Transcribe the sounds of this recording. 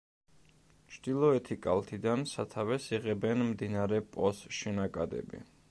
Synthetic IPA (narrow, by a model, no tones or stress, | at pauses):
t͡ʃʰd̪̥ilˠɔɛt̪ʰikʼalˠt̪ʰid̪ansat̪ʰavɛsiʁɛbɛnmd̪inaɾɛpʼɔsʃɛnakʼad̪ɛ̰bḭ